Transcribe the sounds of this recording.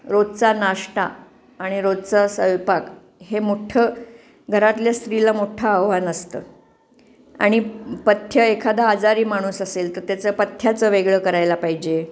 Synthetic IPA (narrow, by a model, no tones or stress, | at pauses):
ɾod̪t͡sanaʂʈa̰ː | ɽ̃iɾod̪̚t͡sasəʋpak | ɦemoʈʰə | ɡʱəɾat̪ljast̪ɾilamoʈʰaːʋʋanəst̪ə̰ː | a̰ɽ̃ipət̪ʰjəekʰad̪aːd͡zaɾiːmaɽ̃uːsaselt̪əɾt̪jat͡sapət̪ʰːjat͡səʋeɡɭəkəɾajlapaɦid͡ʑe